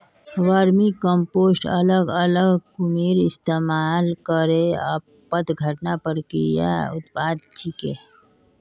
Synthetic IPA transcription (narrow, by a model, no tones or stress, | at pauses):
ʋaɾmikəmpoːsʈələɡələɡkumiːɾɪst̪eːmaːlkəɾeə̰ | pət̪ɡʱəʈnapəɾkḭja̰ʊt̪paːd̪t͡ʃʰikḛ